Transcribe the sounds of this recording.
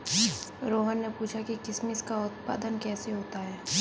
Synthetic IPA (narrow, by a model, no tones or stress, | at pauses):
ɾoːɦənːepuːt͡ʃʰakikɪsmɪskaʊt̪pa̰ːd̪ənkɛːseɦoːt̪aɦɛː